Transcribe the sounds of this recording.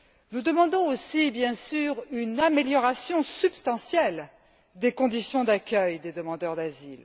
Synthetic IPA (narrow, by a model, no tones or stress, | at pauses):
nud̪əmɑ̃d̪ɔ̃osibjɛ̃syʁynameljɔʁasjɔ̃sybst̪ɑ̃sjɛl | d̪ekɔ̃d̪isjɔ̃d̪akʲœjd̪ed̪əmɑ̃d̪œʁd̪azil